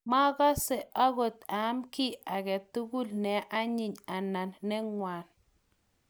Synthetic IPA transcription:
ma˦ɣɔ˦se˨ʔa˦ɣo˨t̪a˨˦mki˦a˨kɛ˨tu˦ɡu˦lnɛ˨ʔa˦ɲɪ˨ɲa˨na˨nːɛ˦ŋwa˨n

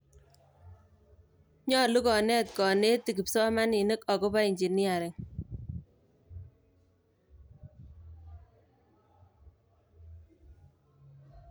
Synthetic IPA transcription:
ɲɔ˦lu˦kɔ˨nɛ˦t̪kɔ˨ne˦t̪i˨ki˨psɔ˦ma˦ni˨ne˦kɔ˨ko˦pa˦i˨ɲd͡ʒi˨nɪ˦a˨ɾɪ˨ŋ

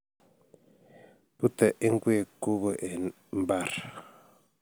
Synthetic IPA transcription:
pu˦tɛ˨ʔi˦ŋ˦ɡwe˦˨ku˦bə˨ʔe˨ | m˦ba˦˨ɾ

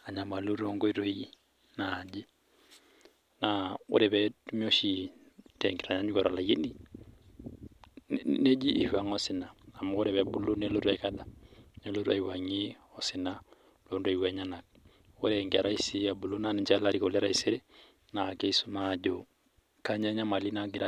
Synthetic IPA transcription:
a˨ɲa˨ma˨lo˦ɾo˦ŋɡo˦i˦ɾo˦i˦ | naː˨d͡ʒi˦ | nao̰˦ɾɛβɛtu˦mi˦o˦ʃi | tɛŋɡiɾa˨ɲa˦ɲu˦kɔɾa˨laje˦ni˦ | ne˦d͡ʒi˦ʔːha˨ŋɔsina˨a˨mɔo˦ɾɛβɛbu˦lo˦nelo˦ɾakada˨ne˦lo˦ɾwa̰iwaŋiɔsina | londo˨i˨wɛɲana˨k̚ | oɾɛŋɡɛ˨ɾa˦i˦siabu˨lo˦nani˨ɲt͡ʃala˦ɾiko˨lɛ˦ɾa˦iseɾe˦ | na˨kei˦su˦mad͡ʒo | kaɲa˦ɲa˦ma˨li˦naɡiɾa

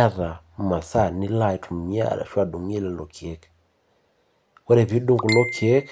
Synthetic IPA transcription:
a˦ða˨ma˨sa˦˨ni˦la˦˨i˨tʰu˨m̩˨mi˦a̰˦˨a̰˨ʃa˨du˨ŋɛ˦lɛ˨lɔ˨kʰi˨ɛ˦k | wɔ˦ɾɛ˨βi˦ɗu˦ŋɡu˨lɔ˦kʰi˨ɛ˦k

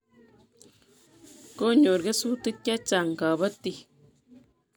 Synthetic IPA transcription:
ko˦ɲo˨ɾɡe˦su˦t̪ɨ˦t̪ʲːa˦t͡ʃa˨ŋka˨βə˦t̪i˦

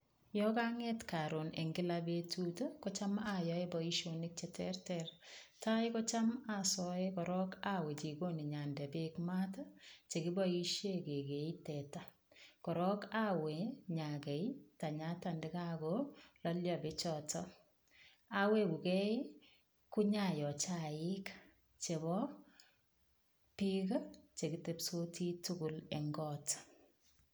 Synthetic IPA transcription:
jɔkaŋetka˨ɾonḛ˨ŋɡɪ˦labetutokɔt͡ʃa˦majɔebɔ˨i˦ʃonik̚t͡ʃɛtʰɛrtɛrtajkɔ˦t͡ʃamasɔekɔɾɔ˦kawɛ˨t͡ʃi˨ɡo˦ni˨ɲa˨ndɛ˨be˦kma˦tat͡ʃe˨ɡi˦bɔiʃeke˨ɡe˨itɛ˨ta | kɔ˨ɾɔkawe˨ɲa˨ɡɛ˨ita˨ɲa˦tandɪ˦kaɡɔlɔ˦ljɔbɪ˦t͡ʃɔtɔ | a˦we˦ku˨kɛ˦ | ku˦ɲa˨jɔ˨t͡ʃaɪk | t͡ʃe˨bɔ | pika˦t͡ʃe˨ɡɪ˦te˨pso˦tʰi˦tu˦ɡʊ˨lɛ˨ŋɡɔt

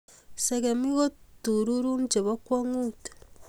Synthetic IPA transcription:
sa˨ɡa˨mi˦ɣo˦tu˨ɾu˦ɾu˦nd͡ʒe˨βa˦kwaŋuːtḁ

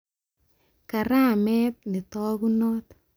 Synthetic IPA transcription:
ka˨ɾaː˦˨mɛ˦t̪̚nɪ˨t̪ɔː˦ɡu˦nɔ˦t̪

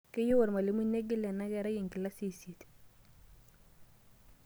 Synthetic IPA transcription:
ke˦ju˦wa˨ɾma˨li˨˦mu˦ne˦ɡi˦lɛ˨na˦ɡɛ˨ɾa˦ɡi˨ŋki˨la˦si˦˨si˨t̪

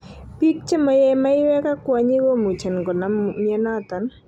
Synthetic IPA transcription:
pi˦k̚t͡ʃɛ˦mɔ˨jɛ˦ma˦i˦wɛ˦ka˦kwa˨ɲi˦ɡo˦mu˨t͡ʃa˨nɡɔ˨na˦mja˦na˦t̪a˨n

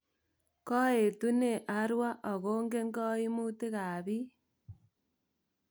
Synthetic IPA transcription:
kɔ˦e˨tu˦ne˨ʔa˦ɾwa˦ʔɔ˨ɣo˦ŋɡe˦ŋɡɔ˦i˦mu˦te˦ka˨βi˦

